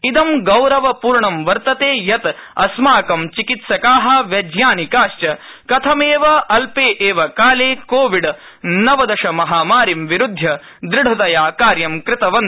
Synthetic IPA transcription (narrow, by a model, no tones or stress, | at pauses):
id̪ɐmɡɐwɾɐʋɐpuːɾɳɐmʋɐɾt̪ɐt̪eːjɐt̪ɐsmaːkɐmt͡ʃikit̪sɐkaːɦɐ̆ʋjɐd͡ʒjaːnikaːʃt͡ʃɐkɐt̪ʰɐmeːʋɐʔɐlpeːʔeːʋɐkaːleːkoːʋiɖ | nɐʋɐd̪ɐʂɐmɐɦaːmaːɾimʋiɾud̪ʱjɐ | d̪ɾɪɽʱud̪ɐjaːkaːɾjɐmkɾɪt̪ɐʋɐn